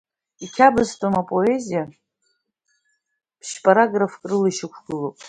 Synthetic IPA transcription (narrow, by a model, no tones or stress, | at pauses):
ikʲʰabɨztʼomapʼo̞e̞zija | pʰʃpʼaɾaɡrafkʼrɨliʃɪkʷʰɡ̥ɨlopʼ